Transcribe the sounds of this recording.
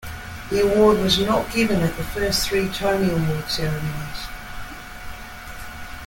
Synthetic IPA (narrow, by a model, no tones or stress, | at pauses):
ðiəwɔːd̚wɒznəʔɡ̥ɪvə̃nəʔðəfɜˑsθɹiːtʰəniəlˠmɔːd̥sɛɹəmə̃nɪz̥